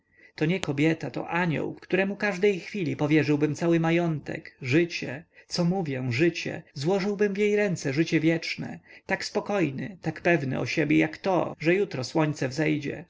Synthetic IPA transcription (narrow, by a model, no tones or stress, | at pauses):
t̪ɔɲɛkɔbʲjɛt̪at̪ɔ̰ʔaɲɔ̰wkkt̪uɾɛmukaʐd̪ɛjxfʲilʲipɔvʲjɛʐɘwbɘmt̪sawɘmajɔnt̪ɛ̰kʐɘt͡ɕɛt̪sɔmuvʲjɛ̃ʐɘt͡ɕɛ̰zwɔʐɘwbɘmvʲjejɾɛnt̪sɛʐɘt͡ɕɛvʲjɛt͡ʂnɛ̰t̪akspɔkɔjnɘ̰t̪akpɛvnɘ̰ɔ̰ɕebʲjɛjakt̪ɔ̰ʐɛjut̪ɾɔswɔɲt̪sɛvzɛjd͡ʑɛ̰